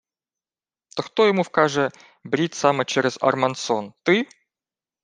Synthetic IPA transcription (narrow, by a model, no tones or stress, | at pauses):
t̪əxt̪ojɪmufkaʐɛ | bɾʲit̪ʲsamət͡ɕeɾʲɪzɐ̰rmɐnt̪sont̪ɨ